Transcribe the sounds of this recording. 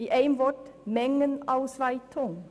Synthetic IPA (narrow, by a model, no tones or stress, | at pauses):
iːʔeɪmʋɔʈmɛŋənɑʊsʋæɪt̪ʰʊŋ